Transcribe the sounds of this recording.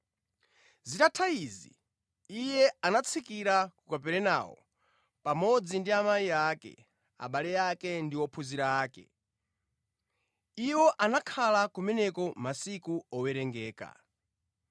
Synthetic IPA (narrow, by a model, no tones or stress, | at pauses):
zitatʰaiziː | jɛanat͡sʰikiɾakukapɛɾɛna̰ːwɔ̰ | pamɔd͡zindiamaiakɛ̰ | a̰ɓalɛjakɛndiwɔpʰuziɾaːkɛ̰ | iwɔʔanakʰalakumɛnɛkɔmasikuɔwɛɾɛŋɡɛːka̰